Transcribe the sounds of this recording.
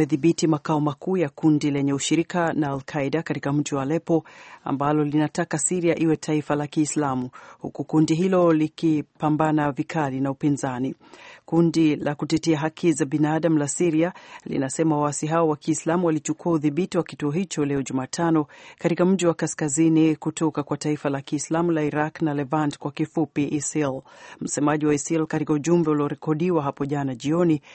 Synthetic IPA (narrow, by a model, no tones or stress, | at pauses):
ɛðiɓitimakaɔmakuːjakundilɛɲɛuʃiɾikanaːlkʰaiɗakatikam̩ʄiwalɛpɔa̰mbalɔlinatakasiɾiaʔiwɛtʰaifalakiːslamuhukukundiɦilɔlikipambanavikʰalinaupinzani | kundilakutɛtɛaɦakʰizaɓinaːɗam̩lasiɾialḭnasɛmawasiɦaɔwakiːslamuwalit͡ʃukuauðiɓitiwakituɔɦit͡ʃɔlɛɔʄumaːtʰanɔkatikam̩ʄiwakaskazinikutɔkakwataifalakiːslamulaiɾaknalɛvantkwakifupiʔisilm̩sɛmaʄiwaisilkatikauʄumbɛuliɔɾɛkɔɗiwaɦapɔʄanaʄiɔni